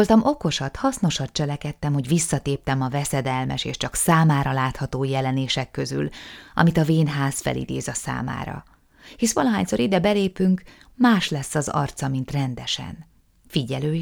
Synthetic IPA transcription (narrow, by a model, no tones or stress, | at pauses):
olt̪ɒmʔo̞ko̞ʃɒt̪hɒsno̞ʃɒt̪̚t͡ʃɛlɛkɛt̪ːɛmho̞ɟʋisːɒt̪eːp̚t̪ɛmɒvɛsɛd̪ɛlmɛ̰ʃḛːʃt͡ʃɒksaːmaːɾɒlaːt̪hɒt̪oːjɛlɛneːʃɛkːø̞zy̰lɒ̰mit̪ɒveːnɦaːsfɛ̰lḭd̪eːzɒsa̰ːma̰ːɾɒ̰ | hisʋɒlɒɦaːɲso̞ɾid̪ɛbɛleːpyŋk | maːʃlɛsːɒzɒ̰rt̪sɒmint̪rɛnd̪ɛʃɛ̰n | fiɟɛløː